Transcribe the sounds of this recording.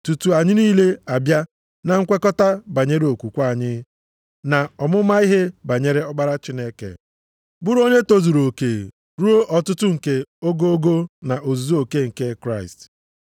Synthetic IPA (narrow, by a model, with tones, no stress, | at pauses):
tu˨tu˨a˨ɲɪ˦niː˦le˦a˨bja˦ | na˨ŋ̩˦kʷe˦kɔ˦ta˦ba˨ɲe˦ɾe˦o˨kʷu˨kʷa˦˨ɲɪ˦ | na˨ɔ˨mʊ˦ma˦i˦ɦe˦ba˨ɲe˦ɾe˦ɔ˦ɡ͡ba˦ɾa˦t͡ʃɪ˦ne˦kḛ˨ | bu˦ɾo˦ɲe˦to˦zu˨ɾo˨ke˨ | ɾu˦o˦ʔɔ˨tʊ˦tʊ˦ŋ̩˨ke˦o˦ɡo˦o˦ɡo˦na˨ʔo˨zu˨zu˦o˨ke˦ŋ̩˨ke˦kɾa˦ɪ̰˨st